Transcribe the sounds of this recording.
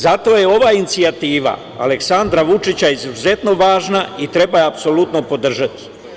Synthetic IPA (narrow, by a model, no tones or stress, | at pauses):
zat̪o̞ːje̞o̞ʋaːinit̪siat̪iːʋa̰ | a̰le̞ksand̪ɾaʋut͡ʃit͡ɕaizuze̞t̪no̞ʋaːʒnait̪ɾe̞bajeapso̞lut̪no̞po̞d̪r̩ʒat̪i̥